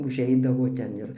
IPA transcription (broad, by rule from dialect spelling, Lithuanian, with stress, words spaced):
ʊʒʲˈɛɪdɐʋoː tʲɛn ˈɪr